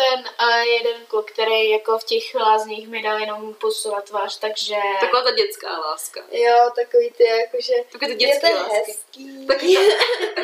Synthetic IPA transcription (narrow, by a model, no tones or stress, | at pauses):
t̪ɛnjɛdɛnkukt̪ɛɾejjakofcɛxvlaːzɲiːxmɪdaljɛno̞mposulat̪ːvaːʃt̪aɡʒɛt̪akoaːt̪aɟɛt͡ska̰ːlaːska̰jot̪akoviːt̪ojɛjakoʒɛakoɛt̪ɛjɛt̪ɛɦɛskiːt̪ak